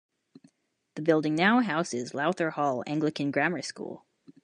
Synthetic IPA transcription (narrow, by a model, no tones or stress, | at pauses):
ðɨbɪlˠdɪ̃ŋnaʊɦaʊsɪzlaʊθə˞hɔlˠæ̰̃ŋɡlɨkɨ̃nɡɹæmə˞skṵlˠ